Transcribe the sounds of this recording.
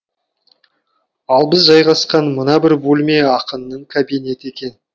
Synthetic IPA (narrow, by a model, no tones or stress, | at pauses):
ɑlˠbɪzʒɑjʁɑsqɑnmənɑbɪɾbolme̞ɑqənːəɴkʰabine̞t̪e̞kʲe̞n